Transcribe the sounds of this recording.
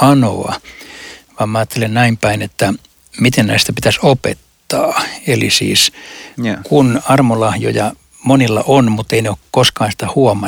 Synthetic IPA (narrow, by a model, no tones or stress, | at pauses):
ɑno̰ɑ̰ | ʋɑːmmæɑːt̪ːelennæimpæinet̪ːæ | mit̪ennæ̰ist̪æpit̪æsopḛt̪ːɑːelḭsḭːs | kunɑrmolɑhjo̰jɑ | monilːɑ̰ʔonmut̪ːeineokkoskɑːnsi̥t̪æhuɔmɑ